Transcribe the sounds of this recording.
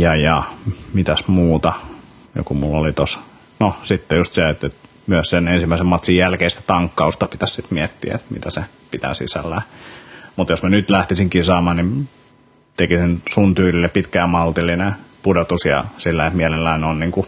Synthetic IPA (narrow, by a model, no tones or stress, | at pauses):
jɑjɑmit̪æsmuːt̪ɑ | jo̰kumulːolit̪os | nosit̪ːejust̪seet̪et̪ | myøssenensimːæisemmɑt̪sijjælkeist̪æ̥t̪ɑŋkːɑust̪ɑpit̪æssit̪miɛt̪ːḭḛt̪mḭt̪æse | pit̪æ̰ːˑsḭsæ̰lːæ | mut̪josmænyt̪læht̪isiŋkisɑːmɑːnim | t̪ekisinsunt̪yːlilːeppit̪kæːmɑlt̪ilːˑinepudot̪usjɑ̰silːæet̪mielelːæinonniːŋku